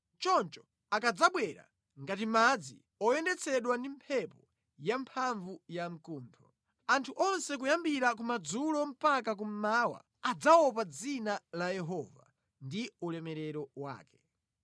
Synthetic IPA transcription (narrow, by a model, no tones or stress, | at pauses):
t͡ʃɔnt͡ʃɔ̥ | akad͡zaɓwɛɾa̰ | ŋɡatimad͡zi | ɔjɛndɛt͡sʰɛɗwandimpʰɛpɔ | jampʰaɱvujam̩kuːntʰɔ | antʰuʔɔnsɛk̬ujambiɾak̬umad͡zulɔm̩pakak̬um̩maːwa̰ | ad͡zaɔp̬ad͡zinalajɛɦɔːva̰ | ndiulɛmɛɾɛɾɔwa̰ːkɛ̥